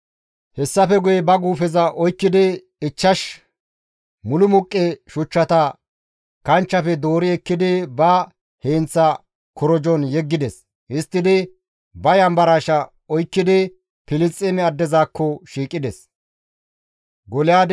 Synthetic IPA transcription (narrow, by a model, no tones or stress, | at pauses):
hɛsːɐfɛɡʊjɛbɐɡuːfɛzɐʔɔjkːɪd̪ɪ | ɪt͡ʃːɐʃ | mʊlʊmʊkʼːeʃʊt͡ʃːɐt̪ɐ | kɐnt͡ʃːɐfɛd̪o̞ːɾɪɛkːɪd̪ɪbɐ | heːnt͡sːɐ | kɔɾɔd͡ʒɔnjɛɡːɪd̪ɛs | hɪst̪ːɪd̪ɪ | bɐjɐmbɐɾaʃɐ | ɔjkːɪd̪ɪ | pɪlɪt͡sʼɛmɛɐd̪ːɛzaːkːɔʃiːkʼːɪd̪ɛs | ɡɔlɪjaːd̪